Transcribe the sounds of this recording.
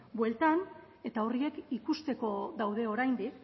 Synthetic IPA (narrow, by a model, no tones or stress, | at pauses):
bwe̞lt̪an | e̞t̪ao̞rie̞kikust̪e̞ko̞ðawðe̞o̞ɾajnd̪ik